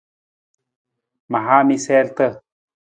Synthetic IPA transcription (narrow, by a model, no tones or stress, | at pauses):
maɦamiselt̪ə